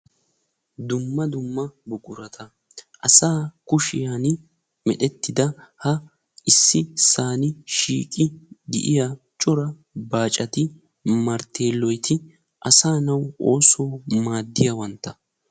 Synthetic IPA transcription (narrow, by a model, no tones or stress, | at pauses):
d̪ʊmːɐd̪ʊmːɐbʊkʼʊɾɐt̪ʰɐ | ʔɐsaːkʊʃɪjan | mɛɗɛt̪ːɪd̪ɐhɐ | ɪsːɪsaːnɪʃḭːkʼɪɡ̪ɪ̰ʔɪja | t͡ʃʼɔɾɐ | baːt͡ʃʼɐt̪ɪ | mɐɾt̪ʰe̞ːlːɔjt̪ʰɪ | ʔɐsaːnɐwʔoːsoːmaːd̪ːɪjɐwɐnt̪ːɐ